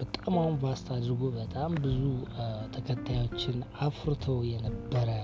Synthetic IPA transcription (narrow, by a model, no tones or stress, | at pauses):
b̥ət̪ʼamawunbast̪ʰad̪ɾɡobət̪ʼambɨzut̪ʰəkʰət̪ʰːajo̞t͡ʃːɪnafɾɨt̪ʰəwjɛnəbːəɾə